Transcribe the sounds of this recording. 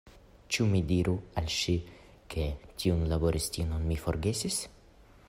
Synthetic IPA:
t͡ʃumidiɾʔualʃi | kʰe̞tʰiunlabo̞ɾʔistinonmifo̰ɾɡe̞sis

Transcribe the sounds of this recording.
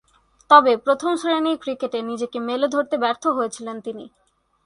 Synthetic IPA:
t̪ɔbepɾot̪ʰomʃɾenikɾikeʈenid͡ʑekemelod̪ʱoɾt̪ebɛɾt̪ʰoɦoet͡ɕʰilent̪ini

